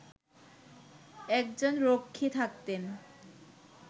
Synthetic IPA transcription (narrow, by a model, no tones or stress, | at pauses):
ɛkd͡ʑonɾokʰːit̪ʰak̚t̪en